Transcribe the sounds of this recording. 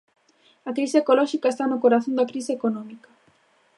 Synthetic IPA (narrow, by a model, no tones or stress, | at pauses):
ɐkɾiseekolɔʃikaest̪anokoɾaθõnd̪ɐkɾiseekonɔmikɐ̥